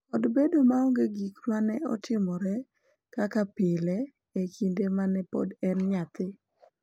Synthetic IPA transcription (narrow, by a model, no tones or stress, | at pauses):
ɔdbedomaɔŋɡeɡikɾmanɛɔ̰tʰɪmɔɾɛ | kakapɪlɛ | ekʰindemanɛpɔ̰dɛnɲat̪ɪ